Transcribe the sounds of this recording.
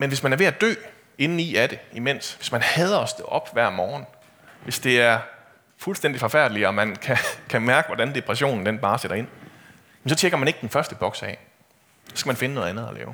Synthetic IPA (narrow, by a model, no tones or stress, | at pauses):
menʋe̝smænæɐʋe̝æd̥ø̰ː | e̝nn̩iæd̥e̝imen̰sʋe̝smænhɛːð̞ˠɐɒ̽sd̥eʔɒ̽b̥ʋæɐ̰mɒːn̩ | ʋe̝sd̥e̝æɐ | fulsd̥en̰d̥ifɒ̽fæɐ̰d̥liɒ̽mænkʰækʰæmæɐɡ̥əʋɒdænd̥e̝pʰʁɛɕo̝̰ːnn̩d̥enb̥ɑ̈ːseɾ̥ɐe̝n̰ | jem̩sɒ̽t͡sʰeɡ̥ɐmæne̝ɡ̥əd̥enfɶɐsd̥əb̥ɒ̽ɡ̥sɛ̰ː | sɒsɡ̥æmænfe̝nənoːðˠænð̩ˠɐlɛ̰ːʊ